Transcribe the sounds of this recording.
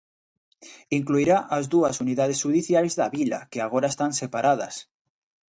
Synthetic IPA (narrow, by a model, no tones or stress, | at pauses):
iŋkluiɾaʔazðuɐsuniðað̞esʃuðiθjajzðɐβila̰keaɣ̞oɾaest̪ansepaɾʔað̞ɐ̰s